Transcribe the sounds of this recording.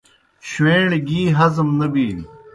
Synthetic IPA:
ɕweːɳɡiːɦɐzmnɐbiː

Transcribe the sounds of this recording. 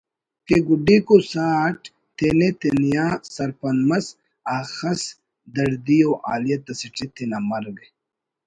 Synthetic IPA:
keɡuɖikosaːʈ | t̪ʰenet̪enijaːsɐɾpɐnmɐs | aːxɐs | d̪ɐɾd̪ijoːʔa̰ːlijɐt̪ɐsiʈ͡ʂʰet̪ʰenamɐɾɡe

